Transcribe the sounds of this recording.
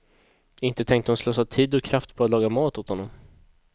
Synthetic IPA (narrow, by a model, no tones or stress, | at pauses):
ɪnt̪ət̪ʰɛŋkt̪əhʊnslɔːsat̪ʰiːd̪ɔkʰɾaft̪pʰɔat̪lɑːɡamɑːt̪ʊt̪hɔnːɔm